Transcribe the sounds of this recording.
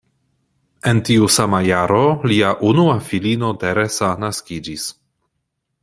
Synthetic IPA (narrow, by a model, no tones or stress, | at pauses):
e̞ntiusamajaɾoliaʔunuafilino̞teɾesanaskid͡ʒis